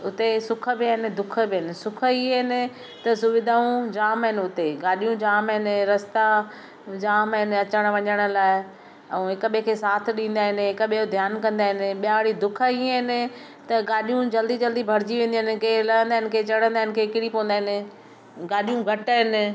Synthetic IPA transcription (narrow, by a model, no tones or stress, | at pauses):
ʊt̪esʊkʰə̆bɪaɦɪnɪ̆d̪ʊkʰə̆bɪɦɪnɪ̆sʊkʰə̆iɦɪnɪ̆ | t̪ɐsʊʋɪd̪ʱaːũd͡ʑaːmɦɪnɪ̆ʊt̪eɡaːɗijũd͡ʑaːmɦɪnɪ̆ɾɐst̪a | d͡ʑaːmɦɪnɪ̆ɐt͡ɕəɽ̃̆ʋɐɲəɽ̃ʊ̆laːɪ | ɛ̃ɦɪkəɓekʰesaːt̪ʰɗĩːnd̪aːɦɪnɪ̆ɦɪkəɓijod̪ʱjaːnkɐ̃nd̪aːɦɪnɪ̆ɓijãʋɽid̪ʊkʰəiəɦɪnɪ̆ | t̪ɐɡaːɗijũd͡ʑɐld̪id͡ʑɐld̪ibʱɐɾɪd͡ʑiʋẽːn̆d̪iɦɪnɪ̆kelɐə̃nd̪aɦɪnɪ̆kʰet͡ɕɐɽə̃nd̪aːɦɪnɪ̆kʰeɪkɪɽipõːə̃nd̪aːɦɪnɪ | ɡaːɗijũɡʱɐʈɦɪnɪ̆